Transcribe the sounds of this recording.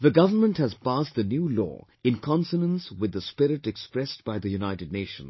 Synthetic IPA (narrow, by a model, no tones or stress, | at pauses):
ðəɡʌvənmə̃nthæzpastðənjulɔ̰ː | ɪ̃nkʰɔ̃nsənə̃nswɪd̪ːəspɪɾɪʈɛkspɾɛstb̥aɪðəjunaɪtɨd̚ⁿneɪʃə̰̃n̩